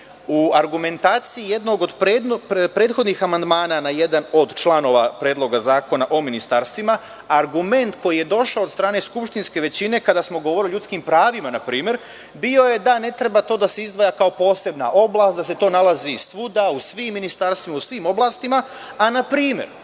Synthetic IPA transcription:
uaɾɡume̞nt̪aːt̪siije̞d̪no̞ɡod̪pɾed̪npɾe̞ːt̪xo̞d̪nixamand̪maːnanaje̞d̪ano̞d̪t͡ʃlˠano̞ʋapɾeːd̪lo̞ɡazaːko̞naʔo̞minist̪aɾst̪ʋima | aɾɡume̞nt̪ko̞jije̞d̪o̞ʃaod̪st̪ɾaːne̞skupʃt̪inske̞ʋe̞t͡ɕine̞kad̪asmo̞ɡo̞ʋo̞ɾiliʎut̪skimpɾaːʋimanapɾiːmje̞ɾ | bio̞je̞d̪ane̞t̪ɾe̞bat̪o̞ːd̪ase̞izd̪ʋajakao̞po̞ːse̞bna̰ʔo̞blˠaːst̪d̪ase̞t̪o̞ːnalazisʋud̪ausʋimːinist̪aɾst̪ʋimausʋiːmo̞blˠaːst̪imaː | napɾiːmje̞̰ɾ

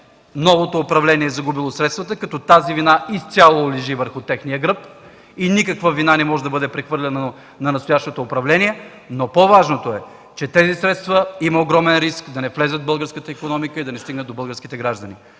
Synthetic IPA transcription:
nɔvot̪oːpɾɐvlɛniɛːzɐɡubilˠosɾɛt̪st̪vət̪əkɐt̪ɔt̪azivinaist̪sʲalˠolɛʒivəɾxʊt̪ɛxnijəɡɾɤp | inikəkvəvinanɛmɔʒɛd̪ɐbɤd̪ɛpɾɛxvɤɾlʲɛno | nɐnɐst̪ojaʃt̪ot̪oːpɾɐvlɛniɛ | nopovaʒnot̪oɛ | t͡ʃɛt̪ɛzisɾɛt̪st̪vəiməoɡɾɔmɛnɾiskd̪ɐnɛflɛzəd̪̚bɤlˠɡəɾskət̪əikonɔmikəid̪ɐnɛst̪iɡnəd̪obəlˠɡəɾsk̟ʲit̪ɛɡɾaʒd̪əni

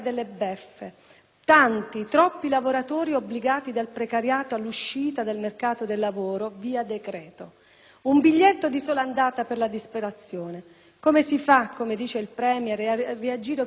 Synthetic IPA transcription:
d̪elːebɛfːe | t̪ant̪it̪ɾɔpːilavoɾat̪ɔːɾiobliɡaːt̪id̪alpɾekaɾjaːt̪oalːuʃːiːt̪ad̪elmerkaːt̪od̪elːavoːɾoviːad̪ekɾɛːt̪o | umbiʎːet̪ːod̪isoːland̪aːt̪aperlad̪ispeɾat̪sːjoːne | komesifakːomed̪iːt͡ʃeilpɾɛːmjɾread͡ʒiːɾe

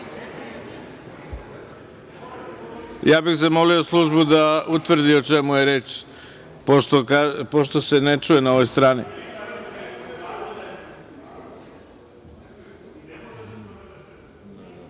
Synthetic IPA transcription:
jaːbixs̬emo̞lio̞slˠuʒbud̪aut̪ʋr̩d̪iot͡ʃe̞muje̞ɾet͡ʃ | pooapoʃt̪o̞se̞ne̞t͡ʃuje̞naoʋo̞jst̪ɾaːnḭ

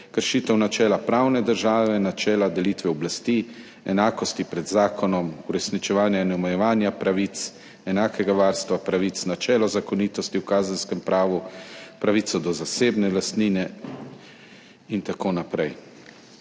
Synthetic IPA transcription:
kəɾʃiːt̪ɛwnat͡ʃɛːlapɾaːwnɛd̪əɾʒaːʋɛnat͡ʃɛːlad̪ɛliːt̪ʋɛɔblast̪iː | ɛ̰naːkɔst̪ipɾɛd̪zaːkʰɔnɔmuɾɛsnit͡ʃɛʋaːnjainɔmɛjɛʋaːnjapɾaʋiːt̪s | ɛnaːkʰɛɡaʋaːɾst̪ʋapɾaʋit̪snat͡ʃɛːlɔzakɔniːt̪ɔst̪iwkaːzənskɛmpɾaːʋupɾaʋit̪sɔd̪ɔzaseːbnɛlast̪niːnɛ | int̪akoːnapɾɛj

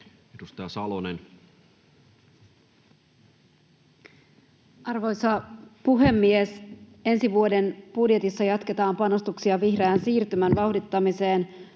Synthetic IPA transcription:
edust̪ɑjɑsɑlonen | ɑrʋo̞jsɑpuɦe̞mːies | e̞nsiʋuo̞de̞nb̥udje̞t̪isːɑjɑt̪ke̞t̪ɑːmpɑno̞st̪uksiɑʋihreæːnsiːrt̪ymænʋɑhdit̪ːɑmise̞ːn

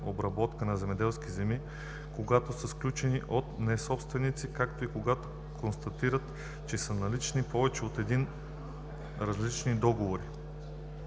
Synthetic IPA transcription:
obɾɐbɔt̪kənɐzɛmɛd̪ɛlˠskizɛmi | koɡat̪osəsklʲut͡ʃɛniʔot̪nɛsɔpst̪vɛnit̪sikakt̪oikoɡat̪o̥ | konst̪ɐt̪iɾət̪ | t͡ʃɛsənɐlit͡ʃnipɔvɛt͡ʃɛot̪ɛd̪in | ɾɐzlit͡ʃnid̪ɔɡovoɾi

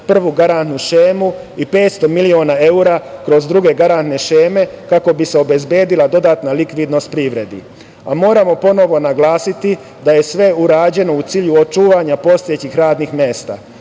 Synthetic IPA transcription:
pr̩ʋuɡaɾant̪nuʃeːmu | ipe̞ːt̪st̪o̞milioːnae̞uɾakɾo̞zd̪ɾuɡe̞ɡaɾant̪ne̞ʃeːme̞kako̞bise̞o̞be̞zbje̞ːd̪ilad̪o̞d̪aːt̪nalikʋid̪no̞st̪̚pɾiʋɾe̞d̪ḭ | amo̞ːɾamo̞po̞no̞ʋo̞naɡlaːsit̪i | d̪aje̞sʋe̞uɾaːd͡ʑe̞no̞ut̪siːʎuot͡ʃuːʋaɲapo̞st̪ojet͡ɕixɾaːd̪nixmjeːst̪a̰

